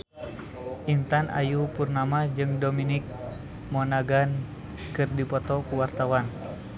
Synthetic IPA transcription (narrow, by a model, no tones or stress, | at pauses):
ʔint̪anʔa̰jupurnamad͡ʒɨŋdominik̚ | mɔnaɡan | kɨrdipɔt̪ɔkuwart̪awan